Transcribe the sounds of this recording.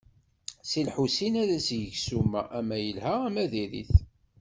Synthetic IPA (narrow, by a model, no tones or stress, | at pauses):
silħusinæðæsjəʝsumæ̰ʔæmæjəlhææmæðiɾḭθ